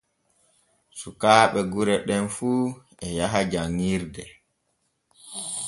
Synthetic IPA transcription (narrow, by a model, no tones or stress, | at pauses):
sukaːɓɛɡuɾɛɗɛnfuː | ɛjaɦad͡ʒaŋːiɾdɛ